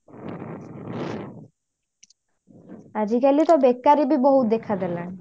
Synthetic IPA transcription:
ad͡ʑikalit̪obekːaɾibiboɦud̪ekʰad̪ɛlan

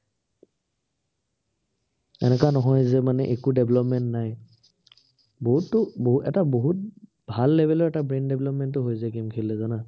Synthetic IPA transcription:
ɛ̰nɛkwanɔɦɔjzɛmanɛʔekudɛblɔpmɛntnaj | boɦutːʊboɦuɛtaboɦut̚ | bʱalːeɛbʱɛlɔɹɛtabɹendɛbʱlɔpmɛntːʊɦojzakimkʰilːɛzana

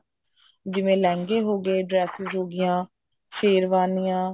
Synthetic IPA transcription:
d͡ʒɪʋẽːlɛ̃ːŋɡeːɦoːɡeːɖɾɛːsɪzɦoːɡɪjãː | ʃeːɾʋaːnijãː

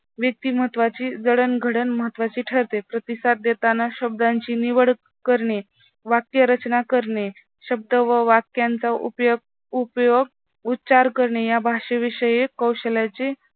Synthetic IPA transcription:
ʋjək̚t̪iːməɦət̪ːʋat͡ɕiːd͡zəɽənɡʱəɽənməɦət̪ːʋat͡ɕiːʈʰəɾt̪epɾət̪isat̪̚d̪et̪anaɕəb̚d̪aɲt͡ɕiːniʋəɽ | kəɾɳe | ʋakjəɾət͡ɕnakəɾɳe | ɕəb̚d̪əʋəʋakjant͡saʔṵpjɡ̚ | upjoɡ̚ | ut̪ːt͡ɕaɾkəɾɳejabʱaʂəʋiʂəjekəwɕəljat͡ɕe

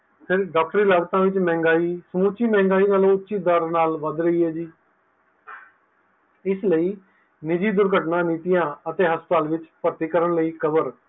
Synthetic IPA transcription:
pʰɪɾɖaːk̚ʈəɾiːləɡt̪ãːʋɪt͡ʃmɛ̃ːŋɡaːiːsəmuːt͡ʃiːmɛ̃ːŋɡaːiːnaːlõːʊtːʃiːd̪əɾnaːlʋəd̪ɾəiːɦɛːd͡ʒiː | ɪsləiː | nɪd͡ʒiːd̪ʊɾɡəʈnãːniːt̪ɪjãːət̪eːɦəst̪aːlʋɪt͡ʃpəɾt̪iːkəɾəɳləiːkəbəɾ

